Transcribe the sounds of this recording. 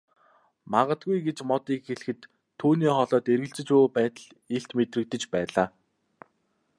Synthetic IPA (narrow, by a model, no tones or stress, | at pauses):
maʁə̆t̪ɡujɡet͡ɕmɔt̪iːkxeɮɘ̆xɘ̆t̪ʰː | uːniːχɔɮɔːt̪eɾɣɘ̆ɬt͡sɘ̆t͡ɕuːpæːt̪ə̆ɮ | eɬt̪met̪rɘ̆k̚t̪ɘ̆t͡ɕpæːɮaː